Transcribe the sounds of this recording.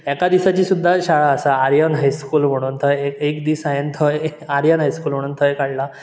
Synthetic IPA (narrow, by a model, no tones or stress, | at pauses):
ɛkad̪isat͡ɕiːsud̪ʱːaɕaɭaəsaːɾjənɦajskuːlm̤əɽ̃uːnt̪ʰəjekekd̪iːsajənt̪ʰəjaɾjənɦajskuːlm̤əɽuːnt̪ʰəjkaɽla